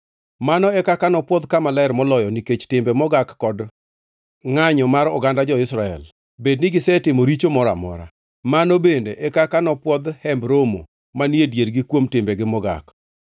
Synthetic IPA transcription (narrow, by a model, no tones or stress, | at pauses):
manɔɛkakanɔpwɔd̪kamalaɪɾmɔlɔjɔniket͡ʃtɪmbemɔɡakːɔd | ŋaɲɔmaɾɔɡandad͡ʒɔɪsɾaɛ̰l | bednɪɡɪsɛtɪmoɾit͡ʃomɔɾa̰mɔ̰ɾa̰ | manɔbendeʔɛkakanɔpwɔd̪hɛmbɾomo̰ | maniedjeɾɡɪkwomtɪmbeɡɪmɔɡa̰k